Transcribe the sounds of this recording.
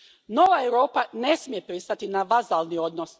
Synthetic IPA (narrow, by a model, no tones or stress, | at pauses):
no̞ʋaeʋɾo̞ːpane̞smije̞pɾist̪at̪inaʋazalnio̞d̪nos